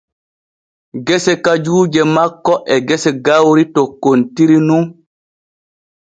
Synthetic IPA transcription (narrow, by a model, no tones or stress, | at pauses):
ɡɛsɛkad͡ʒuːd͡ʒɛmakːɔʔɛɡɛsɛɡawɾitɔkontiɾinuŋ